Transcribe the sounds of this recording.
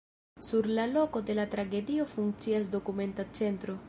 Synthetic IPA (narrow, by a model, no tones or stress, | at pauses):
suɾlalo̞ko̞de̞latɾaɡe̞dio̞fuŋk̚t͡sias̬do̞kume̞ntat͡se̞ntɾo̞